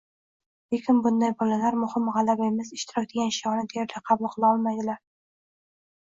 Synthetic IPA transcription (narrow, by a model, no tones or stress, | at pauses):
le̞kʲɪnbʊnd̪ajbɒlalaɾmʊhɪmʁɑlabaemɪsɪʃt̪ʰɪɾɒkʲd̪eɡʲanʃijɒnɪd̪ʰejɾlaqʰɑbʊlˠqʰɨlˠaɒlˠmajd̪ɪlaɾ